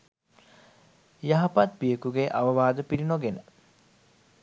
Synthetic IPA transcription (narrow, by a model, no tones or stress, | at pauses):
jaɦɐpat̪̚bijəkuɡeʔaʋəʋaːd̪əpilinoɡenə